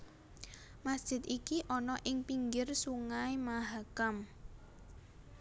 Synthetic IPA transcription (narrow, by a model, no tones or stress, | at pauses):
masd̥ʒ̥ɪ̤t̪ikiʔɔnɔʔɪŋpiŋɡɪrsuŋaemaɦakam